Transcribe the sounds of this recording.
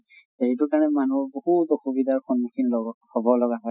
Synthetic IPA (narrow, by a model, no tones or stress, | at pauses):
eɦitʊkaɹnɛmanuɹbohutɔxubidʱaɹxɔnmukʰinlɔɡhɔbɔlɔɡaɦɔj